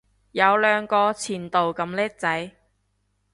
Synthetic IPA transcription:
jɐ˨˧wlœː˨˧ŋkɔː˧t͡sʰiː˨˩nt̪o˨wkɐ˨˧mlɛː˥k̚t͡sɐ˨˥j

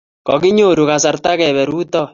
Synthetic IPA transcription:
kɔ˨kɪ˦ɲo˦˨ɾu˨ka˨sa˨rt̪a˦kɛ˨βɛ˨ɾuː˦tɔ˦˨

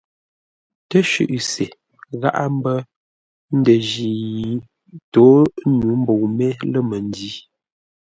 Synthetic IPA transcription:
tə˦ʃʉ̰˦˨ʔse˨ | ɣa̰˦ʔa˦m˦bə˦ | n̩˦də˨ʒi˨˦ | to˨˦nu˨˦m̩˦bo˨wmɛ˦lə˦mə˨n˦di˨˦

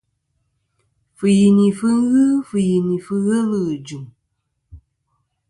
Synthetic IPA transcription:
fɨ˨ji˨ni˨fɨ˦ŋ̩˦ɣɨ˦fɨ˨ji˨ni˨fɨ˦ɣə˦lɨ˦˨d͡ʒu˨m

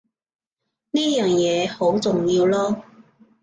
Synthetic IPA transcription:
niː˥jœː˨ŋjɛː˨˧ho˨˥wt͡sʊ˨ŋjiː˧wlɔː˥

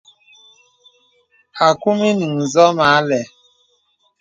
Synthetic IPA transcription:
a˨ku˦mi˦ni˨n̩˨zɔ˦ma˨a˦lɛ˨

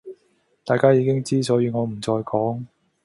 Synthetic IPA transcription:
t̪aː˨jkaː˥jiː˨˧kɪ˥ŋt͡siː˥t͡sɔː˨˥jiː˧ŋɔː˨˧m̩˨˩t͡sɔː˧jkʰɔː˨˥ŋ

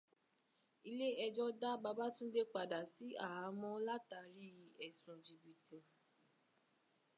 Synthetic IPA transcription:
i˧le˦ɛ˧d͡ʒɔ˦da˦ba˧ba˦tũ˦de˦k͡pa˨da˨si˨˦a˦˨a˨˦mɔ̃˦la˦ta˧˦ɾi˦˨ɛ˨sũ˨d͡ʒi˨bi˨tũ˨

